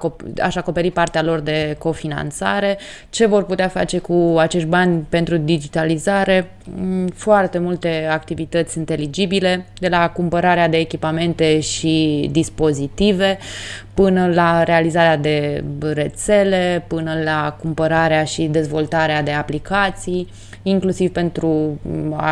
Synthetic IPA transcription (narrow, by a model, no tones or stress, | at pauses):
oa̰ʃako̞pe̞ɾipart̪ealo̞rd̪e̞ko̞fina̰nt̪sa̰ɾe̞ | t͡ʃe̞vo̞rput̪eafa̰t͡ʃe̞kuat͡ʃe̞ʃt̪̚ʲbanʲpe̞nt̪ɾud̪id͡ʒit̪alizaɾe̞ | foart̪e̞mult̪e̞ak̚t̪ivit̪ət̪sʲint̪e̞lid͡ʒibile̞d̪e̞lakumpəɾaɾead̪e̞ːkʲipame̞nt̪e̞ʃid̪ispo̞zit̪ive̞pɨnəlaɾe̞alizaɾead̪e̞re̞t̪se̞le̞pɨnəlakumpəɾaɾeaʃid̪e̞zvo̞lt̪aɾead̪e̞aplikat̪sij | iŋklusiv̥pe̞nt̪ɾua̰